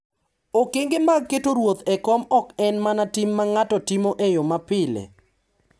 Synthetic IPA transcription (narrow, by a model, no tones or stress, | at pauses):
okeŋɡemaɡ̚ketoɾwot̪ɛkɔmɔkɛnmanatɪmːaŋatɔtɪmoʔejomapɪlḛ